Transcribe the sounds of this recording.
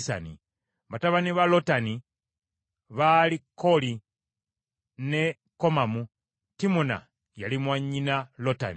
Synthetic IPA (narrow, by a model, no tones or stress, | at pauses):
sa̰ni | βataβaniβalo̞tani | βalikːo̞li | ne̞ | ko̞mamu | timuna̰ | jalimwaɲːinalota̰ni